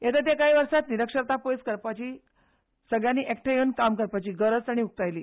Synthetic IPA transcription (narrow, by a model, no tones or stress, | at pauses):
jet̪at̪̬jakaɦiʋəɾʂat̪niɾəkʂəɾt̪apojskəɾpat͡ɕiː | səɡɭjaniːʔek̚ʈʰəjenkamkəɾpat͡ɕiːɡəɾət͡saɽ̃iuk̚t̪ajliː